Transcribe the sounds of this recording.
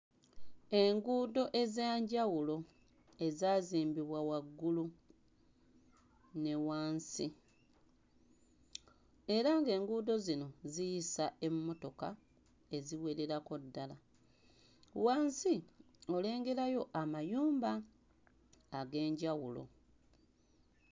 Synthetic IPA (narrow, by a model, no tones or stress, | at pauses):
e̞ŋɡuːdo̞ʔe̞zaːɲɟawulo̞ | e̞zaːziːmbiβwawaɡːulu | ne̞waːnsi | e̞ɾaŋɡe̞ːŋɡuːdo̞zino̞zijisae̞mːo̞to̞ka | e̞ziwe̞ɾe̞ɾako̞dːala | waːnsio̞le̞ːŋɡe̞ɾajo̞ʔamajuːmba | ɡe̞ːɲɟawulo̞̰